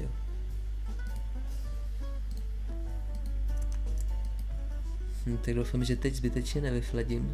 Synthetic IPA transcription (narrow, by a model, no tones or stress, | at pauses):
m̩t̪aɡ̚dowfamʒɛt̪ɛɟzbɪt̪ɛt͡ʃɲɛnɛvɪflɛɟɪm